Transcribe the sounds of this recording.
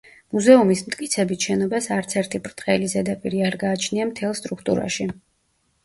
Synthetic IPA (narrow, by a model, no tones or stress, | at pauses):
muzɛumismt̪ʼkʼit̪sʰɛbit̪ʃɛnɔbasaɾt̪sʰɛɾt̪ʰipʼɾt̪ʼqʼɛlizɛd̪apʼiɾiaɾɡaːt͡ʃʰniamt̪ʰɛlˠst̪ʼɾukʰt̪ʼṵɾa̰ʃi